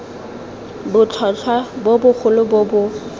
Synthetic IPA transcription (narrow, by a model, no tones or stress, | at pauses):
bʊt͡ɬʰɔt͡ɬʰwabobʊk͡xʰʊlʊbobʊ